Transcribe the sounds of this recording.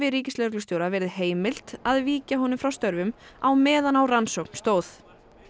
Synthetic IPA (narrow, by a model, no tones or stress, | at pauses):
vɪɾiːcɪsleɾk̬lʏst̪joːwɾavɛːɾɪðheːjmɪl̥t̪aðviːcaɦɔnʏmfɾawst̪œɾvʏmawmɛːðanawransowk̚n̥st̪oːwθ